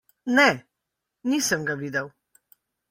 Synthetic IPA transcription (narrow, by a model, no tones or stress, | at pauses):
nɛ | niːsəmɡaʋiːd̪əw